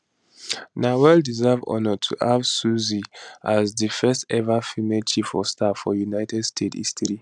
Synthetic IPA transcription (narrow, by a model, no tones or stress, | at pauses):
nawɛldizɛvɔ̰nɔtʰṵhavsuziʔazðəfɛstɛvafimelt͡ʃifɔstʰafɔ̰junaɪtʰɛdstʰetḭstʰəɹi